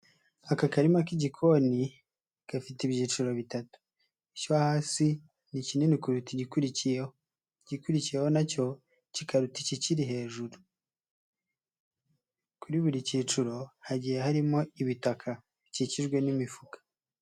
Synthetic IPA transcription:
akakaɾimakiɟikʰo̞ni | ɡ̥afitiβjiːt͡ʃuɾo̞βitatu̥ | icoahaːsi | nicinenikuɾutiɟikuɾicijeho | ɟikuɾicije̞ho̞naco̞ | cikʰaɾuticiciɾiɦe̞ːʒuɾu | kuɾiβuɾiciːt͡ʃuɾo̞haɟije̞haɾimo̞iβitakʰa | ɟiciʒɡwe̞nimifukḁ

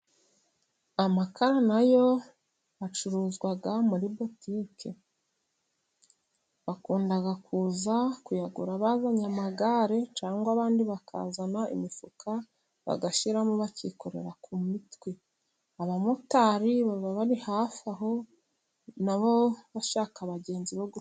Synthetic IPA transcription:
amakaɾanajo̞ | at͡ʃuɾuːzɡwaɡamuɾibotiːkʰe̞ | βakuːndaɡakuːzakujaɡuɾaβazaɲamaɡaːɾe̞t͡ʃaːŋɡwaβaːndiβaka̰ːzanaḭmifuka | βa̰ɡaʃiɾamuβaciko̞ɾe̞̰ɾakumitwe | aβamutaɾiβaβaβaɾihaːfaɦo̞ | naβo̞βaʃaːkaβaɟe̞ːnziβoɡu

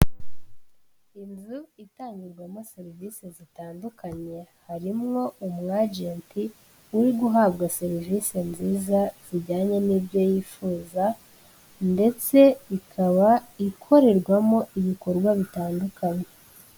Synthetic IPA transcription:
inzuitaːɲɟiɾɡwamo̞se̞ɾiviːsezitaːndukaɲe̞haɾimŋo̞umŋaːɟeːnti | uɾiɡuɦabɡase̞ɾivise̞nziːzaz̥iɟaːɲe̞niːbɟo̞jiːfuːza | nde̞t͡se̞ikʰaβaikʰo̞ɾe̞ɾɡwamo̞iβiko̞ɾɡwaβitaːndukʰaɲe

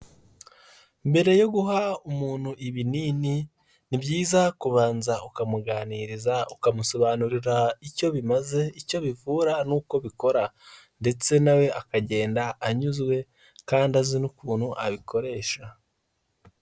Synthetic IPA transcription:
mbe̞ɾe̞jo̞ɡuɦaumuːn̥huʔiβiniːni | nibjiːzakuβaːnzaukamuɡaniɾizaukamuso̞βanuɾiɾaico̞βimaze̞ico̞βivuːɾanuːko̞βiko̞ɾa | nde̞t͡se̞nawe̞ʔakaɟe̞ːndaːɲuzɡwe̞ | kaːndazinukuːn̥huʔa̰βikʰo̞ɾe̞ːʃa

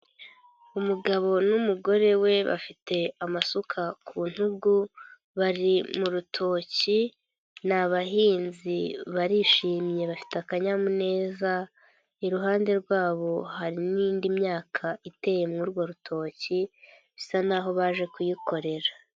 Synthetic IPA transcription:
umuɡaβo̞numuɡo̞ɾe̞we̞βa̰fitʰe̞amasukʰakʰuːn̥huɡu | βaɾimuɾutʰo̞ːci | naβaɦiːnziβaɾiʃiːmje̞βafi̥takaɲamune̞ːza | iɾuɦaːnde̞ɾɡwaːβo̞haɾiniːndimɲaːkʰaite̞je̞mŋuɾɡwo̞ɾutʰo̞ːci | fi̥sanaːɦo̞βaʒe̞kujiko̞ɾe̞ɾa

